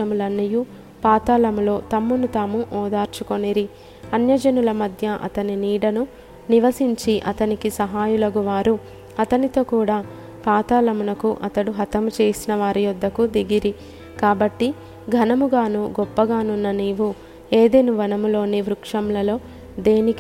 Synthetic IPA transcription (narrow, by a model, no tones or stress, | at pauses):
ɐmulɐnːiju | paːt̪aːlɐmulo̞ːt̪ɐmːunut̪aːmuʔɔːd̪aːɾt͡ʃukoniɾi | ɐnjɐd͡ʒɐnulɐmɐd̪ʱjɐʔɐ̰t̪ɐniniːɽɐnu | niʋɐsiɲt͡ʃiʔɐ̰t̪ɐnikisɐɦaːjulɐɡuʋaːɾu | ɐt̪ɐnit̪o̞ːkuːɽaː | paːt̪aːlɐmunɐkuʔɐt̪ɐɽuɦɐt̪ɐmut͡ʃe̞ːsinɐʋaːɾijɔd̪ːɐkud̪eɡiɾi | kaːbɐʈːi | ɡʱɐnɐmuɡaːnuɡɔpːɐɡaːnunːɐniːʋu | eːd̪enuʋɐnɐmulo̞ːneːʋɾukʂɐmlɐlo̞ː | d̪e̞ːnik